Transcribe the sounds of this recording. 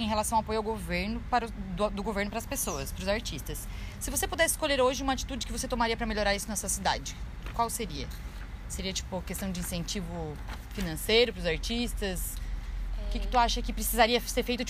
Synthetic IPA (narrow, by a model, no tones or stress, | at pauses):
ẽɦelasɐ̃w̃apojʊawɡoveɾnʊpaɾʊd̪d̪ʊɡoveɾnʊpɾɐspesoɐspɾʊzaɾt͡ʃist̪ɐsː | ɪvosepud̪ɛsɪskoʎeɾoʒɪũmɐat͡ʃi̥t̪ud͡ʒɪkɪvoset̪omaɾiɐpɾɐmeʎoɾaɾisʊnɐsuɐsid̪a̰d͡ʒɪ | kwawseɾiɐ | seɾiɐt͡ʃi̥pʊkest̪ɐ̃w̃d͡ʒɪĩsẽnt͡ʃivʊfinɐ̃sejɾʊpɾʊzaɾt͡ʃist̪ɐs | ʊkɪkɪ̥t̪uaʃɐkɪpɾɪsizaɾiɐseɾfejt̪ʊt͡ʃi